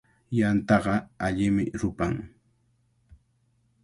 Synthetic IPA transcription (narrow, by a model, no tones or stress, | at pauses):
jant̪ɑɢɑaʎɪmɪɾʊpaŋ